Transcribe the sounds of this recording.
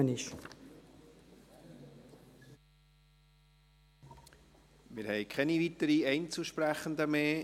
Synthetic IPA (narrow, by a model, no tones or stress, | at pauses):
ənɪʃ | mɪːɾhɛɪkʰɛnivit̪əɾiɛɪnt͡suʃpɾæχənd̪əmeː